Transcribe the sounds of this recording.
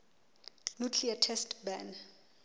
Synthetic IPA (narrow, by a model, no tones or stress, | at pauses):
nukʰliatʰɛstbɛn